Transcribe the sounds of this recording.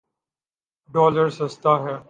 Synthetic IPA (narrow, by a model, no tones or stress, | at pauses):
ɖɔːləɾsɐst̪aːɦɛː